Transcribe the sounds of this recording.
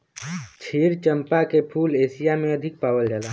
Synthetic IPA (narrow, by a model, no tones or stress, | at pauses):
t͡ʃʰiːɾt͡ʃə̃mpakepʰuːleːsijamẽəd̪ʱɪk̚paːwəld͡ʒala